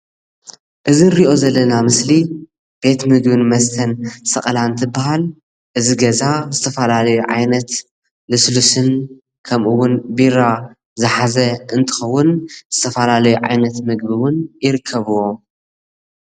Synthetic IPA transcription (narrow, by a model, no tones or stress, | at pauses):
ʔɨziɾiʔo̞zɐlːɐnamɨsli | b̥e̞t̪mɨɡbɨnmɐst̪ʰɐnsɐχʼɐlant̪ʰɨbːaɦal | ʔɨziɡɐzazɨt̪ʰɐfɐlalɐjuʕa̰jnɐt̪ | lɨslusɨn | kʰɐmʔɨwʊnbiɾa | zɨħazɐɨnt̪ʰɨ̥xɐwːʊnz̥ɨt̪ʰɐfɐlalɐjuʕa̰jnɐt̪mɨɡ̚biwʊnjɪɾɨkʰːɐβɨwo̞